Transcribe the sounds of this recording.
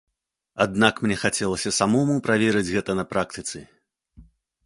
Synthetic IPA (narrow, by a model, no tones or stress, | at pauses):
ad̪nakmnʲɛxat͡sʲɛlˠɐsʲɐsamɔmupɾavʲɛɾɨd͡zʲɣɛt̪ɐnɐpɾak̚t̪ɨt̪sɨ